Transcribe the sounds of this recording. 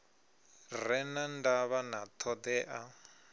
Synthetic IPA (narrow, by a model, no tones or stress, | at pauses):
rɛnandaβanat̪ʰɔd̪ɛʔa